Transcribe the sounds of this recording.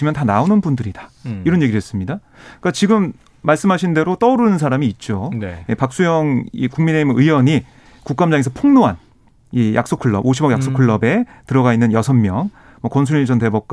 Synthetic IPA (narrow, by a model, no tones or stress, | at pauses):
imjʌntanaonɯnbundɯɾidḁiɾʌnje̞ɡidɦes͈ɯmɲida | k͈at͡ɕiɡɯmː | aɭs͈ɯmɦaɕʰinde̞ɾot͈ʌɾɯnɯnsʰaɾamiːt̚t͡ɕ͈onjepak̚s͈ujʌŋḭkuŋmine̞imɯiwʌɲi | kuk̚k͈amd͡ʑaŋe̞s̬ʰʌpʰoŋnoɦan | ijʔa̰k̚s͈okʰuɭːʌ̰boɕʰibʌɡjaks͈okʰuɭːʌbe̞ | tɯɾʌɡainːɯnjʌsʰʌnːjʌŋ | mwʌkʌns̬ʰuɾid͡ʑʰʌnte̞bʌk̚k͈